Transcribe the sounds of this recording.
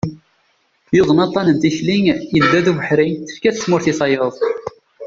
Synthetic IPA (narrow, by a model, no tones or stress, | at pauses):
jʊðˤənɑt̪ˤːɑnənt̪içliŋjəld̪ːæðuvəħɾinθə̥ɾkæθəsmʊɾθisɑjəðˤ